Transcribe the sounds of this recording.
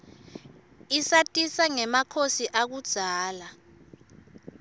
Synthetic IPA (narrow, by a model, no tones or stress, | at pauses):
isatʼisaŋɛmakʰosiʔak̬ud̥ʒ̥ʱaːla